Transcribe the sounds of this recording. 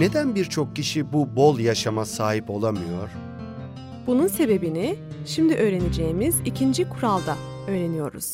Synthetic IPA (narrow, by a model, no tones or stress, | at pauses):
ne̞d̪ænbiɾt͡ʃʰo̞k̚cːiʃibubo̞lˠjaʃamasaːɦipo̞lˠamɯjo̞ɾ̥ | b̥ununse̞be̞biniʃimd̪iʔø̞ːɾe̞ned͡ʒe̞jimiz̥icʰind͡ʒikʰuɾalˠd̪a | ø̞ːɾe̞nijo̞̰ɾṵz̥